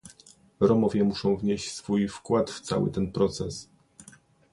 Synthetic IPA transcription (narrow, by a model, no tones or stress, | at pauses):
ɾɔmɔvʲjɛmuʂɔ̃w̃vɲeɕt͡ɕsfujfkwat̪ft̪sa̰wɘ̰t̪ɛnpɾɔt̪sɛs